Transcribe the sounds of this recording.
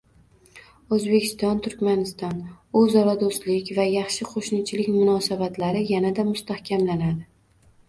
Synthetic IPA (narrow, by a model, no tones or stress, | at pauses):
ɵzbe̞kʲʰɪ̥st̪ɒnt̪ʰʊɾkʲmanɪst̪ɒnɵzɒɾad̪ost̪lɪkʲvajɑχʃɪqʰoʃnɪt͡ʃʰɪlɪkʲmʊnɒsabat̪ʰlaɾɪjanad̪amʊst̪ahkʲʰamlanad̪ɪ